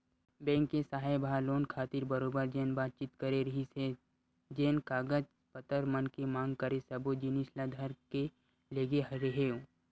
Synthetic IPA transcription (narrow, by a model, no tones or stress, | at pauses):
bɛ̃ːŋkːesaːɦajbʱaloːnkʰaːt̪ɪɾbɐɾoːbəɾd͡ʒeːnbaːt̪̚t͡ʃiːt̪kəɾeɾɐɦise | d͡ʒeːnkaːɡəd͡ʒ | pət̪əɾmənkemãːŋɡkəɾesɐbod͡ʒinislad̪ʱəɾke | leːɡeɦɐɾeɦeːo